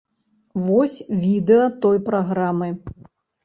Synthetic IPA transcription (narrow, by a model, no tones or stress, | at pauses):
vɔsʲvʲid̪ɛɐt̪ɔjpɾaɣɾamɨ